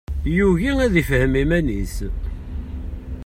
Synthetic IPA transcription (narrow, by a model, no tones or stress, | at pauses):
juʝiæðifhəmimænis